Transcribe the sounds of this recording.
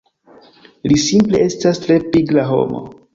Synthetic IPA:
lisimple̞̰e̞stastɾe̞piɡlaɦo̞̰mo̰

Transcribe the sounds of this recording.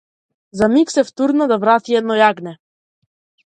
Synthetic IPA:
zamiksɛft̪uɾnad̪avɾat̪iɛd̪̚nɔjaɡnɛ

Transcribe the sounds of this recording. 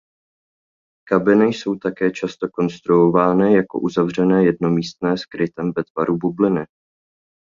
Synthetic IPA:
kabɪnɪjso̞wt̪akɛːt͡ʃast̪o̞ko̞nst̪ɾuovaːnɪjako̞̰ʔuzavrɛnɛːjɛdno̞miːst̪̚nɛːskɾɪt̪ɛmvɛt̪vaɾubublɪnɪ

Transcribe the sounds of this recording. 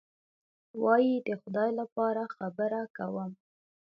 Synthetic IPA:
wɑjid̪əxʊd̪ɑjlapɑɾaxabəɾakawəm

